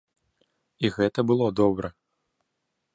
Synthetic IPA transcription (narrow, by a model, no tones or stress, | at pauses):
iɣɛt̪ɐbɨlˠɔd̪ɔbɾɐ